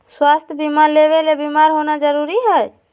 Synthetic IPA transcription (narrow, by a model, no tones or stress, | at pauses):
swast̪ʰjəbimaɾleβelebimaɾɦonad͡ʒəɾuɾiɦɛj